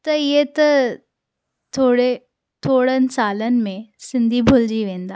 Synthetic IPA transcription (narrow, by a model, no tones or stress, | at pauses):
t̪ɐjet̪ɐ | t̪ʰoːɽe | t̪ʰoːɽənsaːlən̆mẽsɪ̃nd̪ʱibʱʊld͡ʒiʋẽːnd̪aː